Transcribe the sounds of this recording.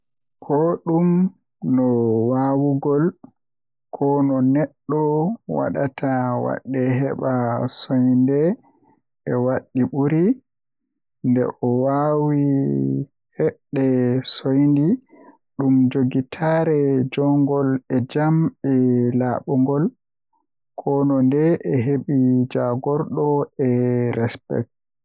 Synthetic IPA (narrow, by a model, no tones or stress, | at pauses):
kʰɔɗum | nɔwawuɡɔl | kʰɔnɔnɛɗːɔwa̰ɗatʰawa̰ɗːɛɦɛɓasojndɛ | ɛwaɗːiɓuɾi | ndɛ̰ʔɔwawi | hɛɗːɛsojndi | ɗumd͡ʒoɡitʰaɾɛd͡ʒɔŋɡɔlɛd͡ʒamɛlaɓɔŋɡɔl | kʰɔnɔndɛʔɛɦeɓid͡ʒaɡɔɾɗɔɛɾɛspɛ̰k̚t